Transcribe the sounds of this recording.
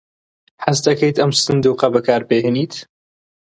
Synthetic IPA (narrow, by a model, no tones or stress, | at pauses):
ħɐst̪ɐkɐjt̪ɐmsɨnd̪uːqɐbɐkaːɾbeɦeniːt̪